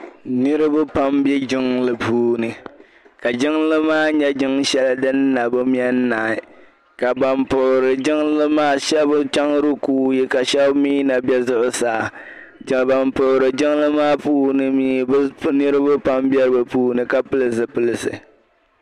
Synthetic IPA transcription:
nɨ˦ɾɨ˦bʊ˦pa˦mbɛ˦d͡ʒɪ˦ŋlɨ˨puː˦nɨ˨ | ka˨d͡ʒɪ˦ŋlɨ˦maː˦ɲɛ˦d͡ʒɪ˦ŋʃɛ˦la˦dɨ˦nː˦a˨bɨ˦m˦ɛ˦nː˦a˨ɪ˨ | ka˨ba˨mpʊ˨ʔʊ˨ɾɨ˨d͡ʒɪ˦ŋlɨ˦maː˦ʃɛ˦bʊ˦t͡ʃa˦ŋɾɨ˦kuː˦ji˦ka˨ʃɛ˦bmiː˦na˨bjɛ˦zʊ˦ʔʊ˦saː˨ | d͡ʒba˨mpʊ˨ʔʊ˨ɾɨ˨d͡ʒɪ˦ŋlɨ˦maː˦puː˦nɨ˦miː˦bnɨ˦ɾɨ˦bɨ˦pa˦mbɛ˦ɾɨ˦bɨ˨puː˦nɨ˨ka˨pɨ˦lɨ˦s̬ɨ˨pɨ˦lɨ˨sɨ̰˨

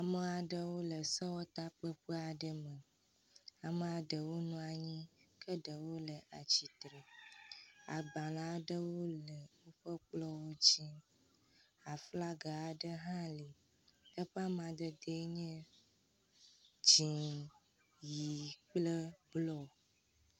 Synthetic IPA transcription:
a˨mə˦a˨ɖə˦wo˦lə˨sɔ˦wɔ˦t̪a˦k͡pə˦ɸə˦a˨ɖə˦mə˨ | a˨mə˨a˨ɖə˨wo˦nũ˦a˨ɲĩ˦kə˦ɖə˨wo˦lə˨ʔa˨t͡ɕi˨t̪ɾe˨ | a̰˨ɡ͡bã˨la˦ɖə˦wo˦lə˨wo˦ɸə˦k͡plɔ˦wo˦d͡ʑi˦ | a˨fla˦ɡa˨a˨ɖə˦ɦã˦li˨ | ə˦ɸa˦mã˨d̪ə˨d̪e˨˦ɲɛ̃˦ | d͡ʒĩ˨ | ji˨k͡plə˦blɔ˦

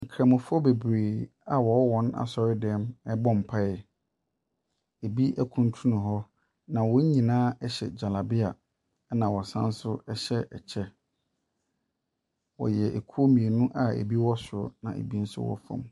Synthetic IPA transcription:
ŋ̩˨kʰɾã˨mʊ̃˨fʊ˦ɔ˦be˨bɾeː˨a˨wɔ˨˦wɔ̃˦na̰˨sɔ˨ɾɪ˦dɛ˦mɛ˦bɔ̃˦m̩˨pʰa˦ɛ˨ | e˨bi˦ʔæ˦kʰũ˨n˦tʰũ˦nʊ̃˨ɦɔ˦ | nã˨wɔ˦ɲĩ˨nãː˦ɛ˦ɕɛ̰˨d͡ʑa˨la˨bɪ˦a˨˦ | nã˨wɔ˨sã̰˦n̩˦sʊ˦ɛ˦ɕɛ˦ɛ̰˨t͡ɕʰɛ˦ | wɔ̰˨jɛ˨ʔe˨kʰu˦o˦mĩ˨e˨nũ˦ʔa˨ḛ˨bi˦wɔ˦sʊ˨˦nã̰˨ḛ˨bi˦n̩˦sʊ̰˦wɔ̰˦fɔ̰̃˨m

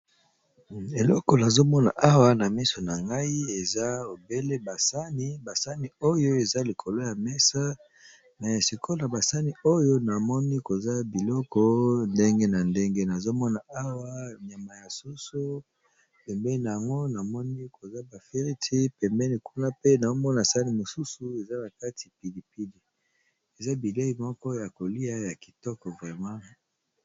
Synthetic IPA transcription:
e˨lɔ˦kɔ˨na˨zo˦mɔ˦na˨ʔa˦wa˦na˨mi˦so˨na˨ŋɡa˦i˦e˨za˦o˨be˦le˦ba˨sa˦ni˦ba˨sa˦ni˨o˦jo˦e˨za˦li˨kʰo˨lo˦ja˨mɛ˦sa˦ | mɛ˨si˨kʰo˦na˨ba˨sa˦ni˨o˦jo˦na˨mɔ˦ni˦ko˨za˦bi˨lɔ˦kɔ˦nde˦ŋɡe˦na˨nde˦ŋɡe˦na˨zo˦mɔ˦na˨a˦wa˦n˨a˨ma˨ja˨su˦su˦ | pɛ˨mbɛ˦i˦na˨ja˨ŋɡo˦na˨mɔ˦ni˦ko˨za˦ba˨fe˦ʁi˦tʰi˦pɛ˨mbɛ˦ni˨ku˦na˦pe˦na˨o˦mɔ˦na˨sa˦ni˦mo˨su˦su˨e˨za˦na˨ka˦tʰi̥˨pi˨di˨pi˦di˨ | e˨za˦bi˨le˦i˨mɔ˦kɔ˦ja˨ko˨li˦a˦ja˨ki̥˨tɔ˦kɔ˨vʁɛ˨mã˦

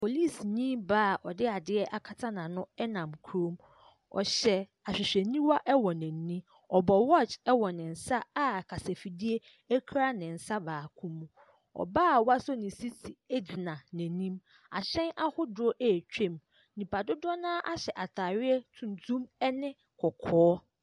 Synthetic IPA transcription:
pʰo˨li˦˨sɲĩ˦mbaː˦˨ʔɔ˨dɪ˦a˨dɪ˦ɛ˦ʔa˨kʰa˨tʰã˦nã˨nʊ̃˦ɛ˦nã˨mkʰu˦ɾõ˦m | ɔ̰˨ɕɛ˨ | a˨ɕᶣɪ˨ɕᶣɛ˨nĩ˦wa˦ʔɛ˦wɔ˨nɛ̃˨n˨nĩ˦ | ɔ˨bɔ˨wɔ˦˨t͡ʃɛ˦wɔ˨nɪ̃˨n̩˨sa˦a˦˨kʰa˨sɛ˨fi˨di˦e˦ | ɛ˦kʰɾa˦nɪ̃˨n̩˨sa˦baː˨kʰũ˦mũ˦ | ɔ̰˨baː˦˨wa˦sɔ˦nɪ̃˨si˦tʰi˨e˦d͡ʑi˨nã˨nɛ̃˨nĩ˦m | a̰˨ɕɛ̃˦na˦hʊ˦dʊ˨˦ɔ˦ʔɛ˨t͡ɕᶣɛ̃˦˨m | nĩ˨pʰa˨dʊ˦dɔ˦nãː˦ʔa˦ɕɛ˨ʔa˨tʰaː˨ɥɪ˦ɛ˦tʰũ˨ntʰũ˦mɛ˦nɪ̃˦ | kʰɔ˨kʰɔː˦

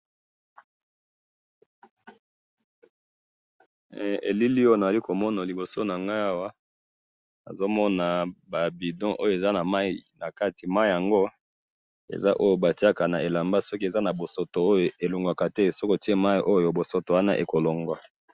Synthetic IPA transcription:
ḛ˨li˦li˦o˦jo˦˨a˨a˨li˦ko˨mɔ˦na˨li˨bo˨so˦na˨ŋɡa˦a˦wa˦ | na̰˨zo˦mɔ˦na˨ba˨bi˨dɔ̃˦ʔo˦jo˨e˨za˦na˨ma˦ii˨na˨ka˦ti˨ma˦i˨ja˨ŋɡo˦ | ḛ˨za̰˦ʔo˦jo˨ba˨ti˦a˦ka˨na˨e˨la˨mba˦sɔ˦ki˦e˨za˦na˨bo˨so˨to˨o˦jo˨e˨lo˨ŋɡwa˨ka˨tɛ˦˨so˦ko˦ti˦e˦ma˦i˨ʔo˦jo˨bo˨so˦to˨wa˦na̰˦ʔe˨ko˨lo˨ŋɡwa˨

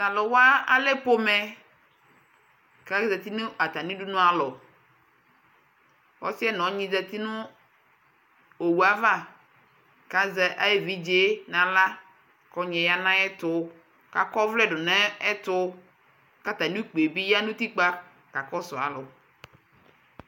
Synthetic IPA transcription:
ta˨lɔ˨wa˦a˦lɛ˦po˦mɛ˨ | ka˦zɛ˨t̪i˦nʊ̃˦a˨t̪a˨nĩ˦ɖu˦nʊ̃˦a˨lɔ˨ | wɔ̰˦si˦ɛ˦nɔ̃˨˦ɲĩ˦zɛ˨t̪i˦nʊ̃˦ | o˨wu˨a˨va˦˨ | ka˦zɛ˨ʔa˦je˦˨vi˦d͡ʒe˦nã˨la˦ | kɔ˦ɲɛ̃˨ja˦nã˦ɛ˦t̪ʊ˦ | ka̰˨kɔ˦vlɛ˦ɖʊ˨nɛ̃˦ɛ˦t̪ʊ˦ | ka˦t̪a˨nĩ˦k͡pe˨bi˦ja˦nũ˦t̪i˦k͡pa˦ | ka˨kɔ˦sʊ˨a̰˨lʊ˨

